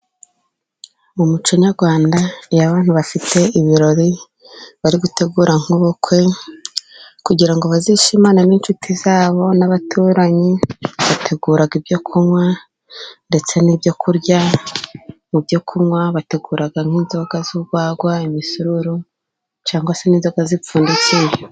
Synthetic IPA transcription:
mumut͡ʃoɲaɾɡwaːndajaβaːn̥huβafitʰe̞iβiɾo̞ɾi | βaɾiɡute̞ɡuːɾaŋ̥hoβo̞kwe̞ | kuɟiɾaŋɡo̞βaziʃimaːnaniːnt͡ʃutʰizaːβo̞naβatʰuːɾaɲiβatʰe̞ɡuːɾaɡibjo̞kʰumŋwa | nde̞t͡se̞nibjo̞kʰuɾɟa | nubjo̞kʰumŋwaβate̞ɡuːɾaɡaŋ̥iːnzo̞ɡazuɡwaːɡwaimisuɾuɾu | t͡ʃaːŋɡwase̞niːnzo̞ɡazipuːndut͡sije

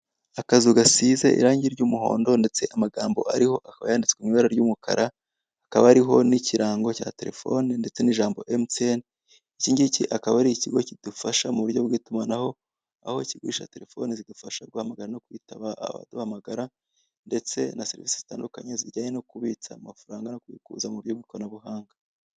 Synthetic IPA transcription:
akazuɡasizḛʔḭɾaːɲɟiɾɟuːmuɦo̞̰ːndo̞nde̞t͡se̞ʔamaɡaːmbo̞̰ʔaɾiho̞ʔakaβa̰jaːndit͡skwimiβaɾaɾɟuːmukʰa̰ɾʔaː | kaβaːɾiɦo̞niciɾaːŋɡo̞caːte̞ɾe̞̰fo̞̰ninde̞t͡se̞niʒaːmboʔemten | iciːɲɟiciʔakaβaɾiiciɡo̞cid̥ufaʃamuβuɾjo̞bɡiːtumanaho̞ | a̰ho̞iciɡḭʃa̰te̞ɾe̞fo̞nezidufaʃabɡwaːhamaɡaɾano̞kuitaβaa̰βa̰dohamaɡaɾa | nde̞t͡se̞naseɾviːsi̥z̥itaːndukaɲe̞ziɾɟaːɲe̞no̞kuβit͡samafaɾaːŋɡano̞kuβḭːkṵːzamuβuɾjobɡuknaβuhaːŋɡa

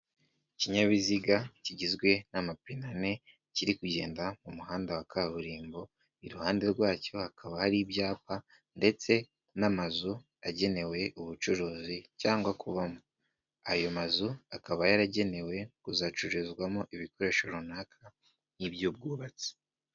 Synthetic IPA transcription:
ciɲaβiziɡaciɟizɡwe̞namapinane̞ | ciɾikuɟe̞ːndamumuhaːndawakʰaβuɾiːmbo̞ | iɾuhaːnde̞ɾɡwaːco̞hakʰaβahaɾibɟaːpa | nde̞t͡se̞ | namazu | aɟe̞ne̞we̞ʔuβut͡ʃuɾuːzicaːŋɡwakuβamo | ajo̞mazuakaβajaɾaɟe̞ne̞we̞kuzat͡ʃuɾezɡwamoʔiβiko̞ɾe̞ːʃoɾunaːkʰa | nibɟuːb̚ɡuːβat͡si̥

